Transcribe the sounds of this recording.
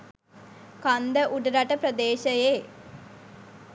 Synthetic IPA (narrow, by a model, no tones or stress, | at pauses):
kand̪əʔuɖɾɐʈɐpɾɐd̪eːɕɐjeː